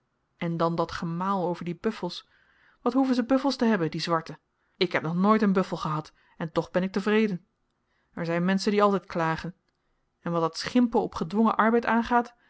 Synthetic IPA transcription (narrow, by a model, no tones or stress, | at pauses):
ɛndɑndɑtχəmaːlˠowvəɹdibɵfəlˠs | ʋɑtɦuvənzəbɵfəlˠstəɦɛbəndizʋɑɹtə | ɪkɦɛp̚nɔχnoːjtənbɵfəlˠχəɦɑt | ɛntɔχbɛnɪk̚təvrejdən | ɛɹzɛjnmɛnsəndiɑlˠtɛjtklaːχən | ɛnʋɑtdɑtsχɪmpəlˠɔpχədʋɔŋəʔɑɹbɛjtaːnχaːt